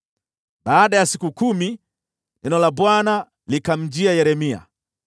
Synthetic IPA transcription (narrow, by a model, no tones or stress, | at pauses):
ɓaːɗajasikukumi | nɛnɔlaɓwana | likam̩d͡ʒiajɛɾɛmia̰